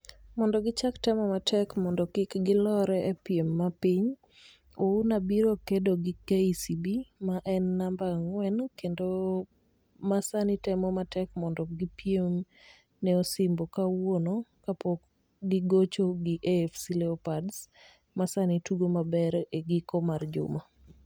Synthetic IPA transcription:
mɔndɔɡɪt͡ʃaktɛmɔmatʰɛkmɔndɔkɪkɡɪlɔɾɛepjemːapiɲ | ounabiɾokedoɡɪkeisibimaʔɛnːambaŋwɛnkendo | masanɪtɛmɔmatɛkmɔndɔɡipjem | nɛosɪmbɔkawonokapok | ɡiɡot͡ʃoɡɪʔefsilɛopads | masanituɡomabɛɾeɡikomard͡ʒʊ̰ma

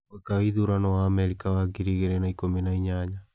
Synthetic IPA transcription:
wekaiðuɾanɔwaːmɛɾikawaɡiɾiɣeɾenaikominaiɲaɲa

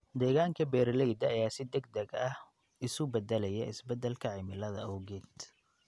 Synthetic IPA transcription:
d̪ɛːɣaːŋkʰɐbɛːɾlɛjd̪ɐːjaːsɪd̪ɛɡd̪ɛɡɐh | ɪsʊbɛd̪ɛlɛjɛʔɪsbɛd̪ɛlkʰɐʕɪmɪlɐðɐɔwɣɛːd̪

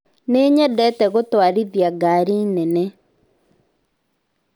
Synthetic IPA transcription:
neɲɛdɛtɛɣotwaɾiðjaɡaːɾinɛnɛ

